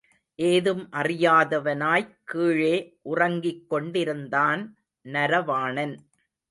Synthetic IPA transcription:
ʔeːðɯmʔɐrɪjaːðɐʋɐnaːjkiːɻeːʔʊrɐŋɡɪkːɔɳɖɪɾɯnd̪aːn | nɐɾɐʋaːɳɐn

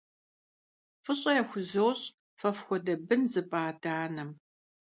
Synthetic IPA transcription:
fɨɕʼɐjɛxʷʊzowɕʼ | fɐfxʷɔdɐbɨnzɨpʼaːdaːnɐm

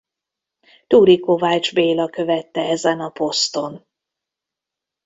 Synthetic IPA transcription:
t̪uːɾiko̞vaːt͡ʃbeːlɒkø̞vɛt̪ːɛɛzɛnɒpo̞st̪o̞n

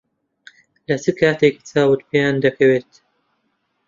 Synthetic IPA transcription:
lɐt͡sʰɨkʰaːt̪eki̥t͡saːwɨt̪pʰejaːnd̪ɐkʰɐweːt̪

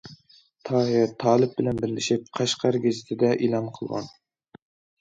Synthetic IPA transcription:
t̪ʰɑːɦɛt̪ʰɑːlˠɪp̚bɪlɛnbɪɾlɪʃip̚qʰɑʃqʰɑɾɡʲezɪt̪ʰɪd̪ɛʔilˠɑmqʰəlˠʁɑ̰n

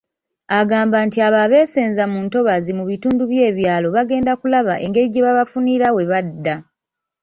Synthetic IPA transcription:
aɡaːmbantiaβaβe̞ːseːnzamuːnto̞βazimuβituːnduβje̞ːβjaːlo̞βaɡe̞ːndakulaβaʔe̞ŋɡe̞ɾiɟeβaβafuniɾawe̞βadːa

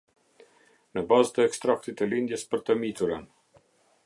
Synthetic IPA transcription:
nəbazt̪əɛkst̪ɾak̚t̪it̪əlind̪jɛspəɾt̪əmit̪uɾən

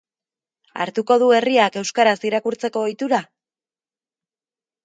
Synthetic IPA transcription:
a̰ɾt̪uko̞ðue̞riake̞wskaɾasiɾakuɾt͡se̞ko̞ojt̪uɾa

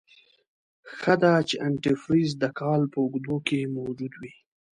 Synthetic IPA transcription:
xəd̪at͡ʃeʔaɳʈɪfɾizd̪əkɑlpəʊɡd̪okemawd͡ʒud̪wi

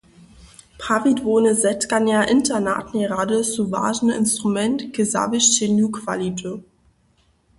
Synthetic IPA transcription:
pʰavitvoːnəzɛtkanjaʔɪntʰɐna̰ːtneʁadəsuva̰ːʒnɪ̰nstʁ̥umɛntkəza̰vɪʃtenuːkʰv̥a̰litʰə

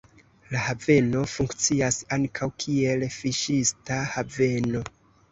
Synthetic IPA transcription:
lahave̞no̞fuŋkt͡siasaŋkʰawkʰie̞lfiʃistahave̞no̞

